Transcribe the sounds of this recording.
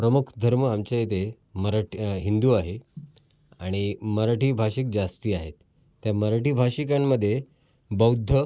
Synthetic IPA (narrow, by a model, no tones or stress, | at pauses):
pɾəmukʰd̪ʱəɾməamt͡ɕajet̪e | məɾaʈɦind̪uːaɦe | aɽ̃iməɾaʈiːbʱaɕik̚d͡zast̪iːaɦet̪ː | jaməɾaʈiːbʱaɕikamːəd̪ʱːje | bəwd̪ʱːə